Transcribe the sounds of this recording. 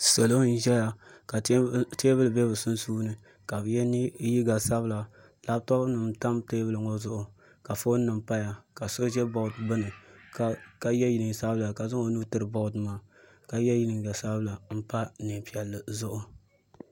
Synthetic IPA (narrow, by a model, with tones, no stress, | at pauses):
so˨lo˦n̩˦ʒɛ˦ja˨ka˨˦teː˦bɨ˦lɨ˨bɛ˦bɨ˨sʊ˦nsuː˦nɨ˨ | ka˨bɨ˨jɛ˦ni˦ji˦ɡa˨sa˦bɨ˦la˨ | la˦btɔ˦bnɨ˨mta˦mteː˦bɨ˦lɨ˨ŋo˦zʊ˦ʔʊ˨ | ka˨fo˦n˦nːɨ˨mpa˦ja˨ka˨so˦ʒɛ˦bo˦˨dbɨ˦nɨ˨kka˨jɛ˦ji˨nɨ˨ŋ˨sa˦bɨ˦la˨ka˨zɨ˦ŋo˨˦nuː˦tɨ˦ɾɨ˨bo˦dɨ˨maː˨ | ka˨jɛ˦ji˦nɨ˨ŋ˨ɡa˨sa˦bɨ˦la˨m̩˦pa˦ne˨pi˨ɛ˨lːɨ˨zʊ˦ʔʊ˦